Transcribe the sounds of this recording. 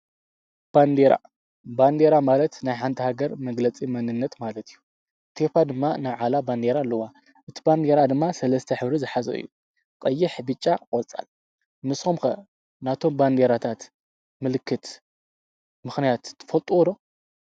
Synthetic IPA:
b̥and̪eɾa̰ | band̪eɾamalɐt̪najħant̪ʰɐhaɡɐɾmɐɡlɐt͡sʼimɐnɨnːɐt̪malɐt̪ʰijːu | t̪ʰefad̪ɨmːanaβʕalaband̪e̞ɾalːɐwa | ʔɨt̪ʰi̥band̪e̞ɾad̪ɨmːasɐlɐst̪ʰɐħɨβɾizɨħazɐ̰ʔɨ̰jːṵ | kʼɐjːɪħbɨt͡ʃʼːakʼolt͡sʼa̰l | mɨsxomkɐ | nat̪ʰo̞mband̪eɾat̪ʰat̪ | mɨlɨkʰːɨt̪ | mɨxnijat̪ːɨ̥fɐlt̪ʼuwɔd̪o

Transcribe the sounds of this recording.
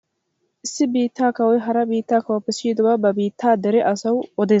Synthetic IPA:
ʔɪsːɪbiːt̪ːaːkɐwɔjɦɐɾɐbiːt̪ːaːkɐwɔpːɛsiːd̪ɔbɐbɐbiːt̪ʰːaːd̪ɛɾɛʔɐsɐwɔd̪ɛːs

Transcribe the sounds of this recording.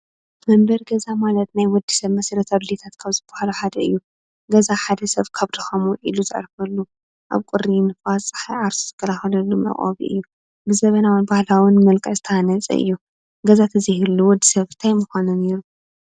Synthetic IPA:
mɐmbɐɾɡɐzamalɐt̪̚najwɔd̪ːisɐβmɐsɐɾɐt̪ʰaβlet̪ʰat̪kʰaβzɨbahaluħad̪ɐɨjːu | ɡɐzaħad̪ɐsɐβkʰaβt̪ʰɐxɐmwɔʕiluzɨ̰ʕ̰ɾfɐlːu | ʔa̰βkʼʊɾinɨfasʼɨ̥ħajʕaɾsu̥zɨkʰːɐlaxɐlɐlːumɐ̰χʼɐ̰βḭʔɨ̰jːu | bɨzɐβɐnawɨnbahlawɨnmɐlkʼɐzɨt̪ʰɐanɐt͡sʼɐ̰ʔɨ̰jːu | ɡɐzat̪ʰɨzihɨɾluwɔd̪ːisɐβ̥t̪ʰajmɨxʷanuneɾu

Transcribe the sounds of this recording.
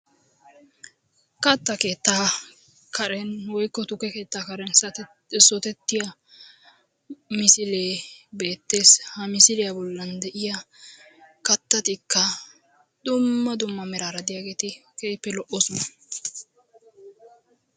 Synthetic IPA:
kɐt̪ːɐke̞ːt̪ːaː | kʰɐɾɛnwɔjkːɔt̪ʊkːɛke̞ːt̪ːaːkɐɾɛns | sɔt̪ɛt̪ːɪja | mɪsɪleːbe̞ːt̪ːe̞ːshɐmɪsɪlɪjɐbɔlːɐnd̪ɛʔɪjɐ | kɐt̪ːɐt̪ɪkːɐ | d̪ʊmːɐd̪ʊmːɐmɛɾaːɾɐd̪ɪjaːɡe̞ːt̪ɪkeːpːɛlɔʔɔsɔnɐ

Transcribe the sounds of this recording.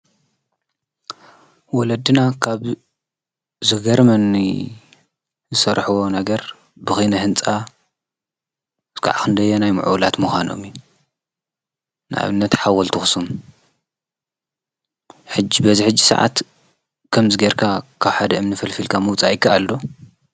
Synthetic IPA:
wɔlɐd̪ɨnakʰaβ | zɨɡɐɾmɐni | zɨsɐɾħɨwo̞nɐɡɐɾ | bɨxinɐɦɨnt͡sʼa | kʰa̰ʕakɨnd̪ɐjːonajmɨ̰ʕṵwlat̪muxʷano̞̰mju | nɨʔa̰βɨnːɐt̪ħawɐlt̪ʰɨxɨsum | ħɨd͡ʒːibɐziħɨd͡ʒːisɐ̰ʕa̰t̪ | kʰɐmzɨɡeɾkʰakʰaβħad̪ɐɨmnɨfɐlfilkʰamɐwt͡sʼajɪkʰːaʔalːo

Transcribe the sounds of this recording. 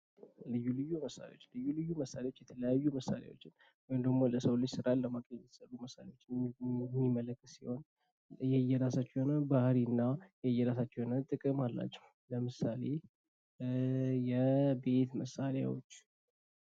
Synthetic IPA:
lɨjːulɨjːuməsa̰lḛwot͡ʃːlɨjːulɨjːuməsalewot͡ʃːjɛt̪ʰələjajːuməsːa̰lja̰wo̞t͡ʃːɪn | wɔjmd̪əɡmo̞ləsəwlɨd͡ʒsɨɾalləmakʼejɛt̪səruməsalewo̞t͡ʃːɪmːimələkːət̪siho̞n | jɛjːɛɾasat͡ʃːɛhonəbahɾiɨnːajɛjːɛɾasat͡ʃːhonət̪ʼɨkʼɨmalːa̰t͡ʃːɛw | ləmɨsale̞ | jɛbe̞t̪məsala̰wo̰t͡ʃː

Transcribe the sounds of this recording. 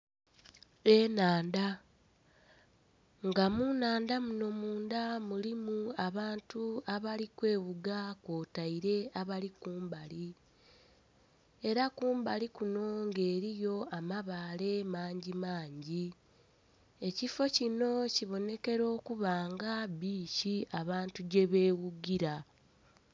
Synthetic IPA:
enaːnda | ŋɡamunaːndamuno̞muːndamulimuaβaːntuaβalikwe̞ːβuɡakoːtaiɾe̞aβalikuːmbali | e̞ɾakuːmbalikuno̞ŋɡe̞ːɾijo̞amaβale̞maːɲɟimaːɲɟi | e̞cifo̞cino̞ciβo̞ne̞ke̞ɾo̞ːkuβaːŋɡabiːciaβaːntuɟe̞βeːwuɡiɾa

